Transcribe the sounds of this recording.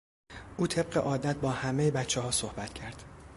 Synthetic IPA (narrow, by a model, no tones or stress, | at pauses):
ʔuːt̪ʰe̞b̚ɢeʔɒːd̪æt̪̚bɒːhæmejebætt͡ʃʰːehɒːsohbæt̪cʰæɾd̪̥